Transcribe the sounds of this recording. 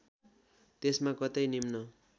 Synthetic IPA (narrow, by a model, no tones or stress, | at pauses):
t̪esmakʌt̪ʌjnimnʌ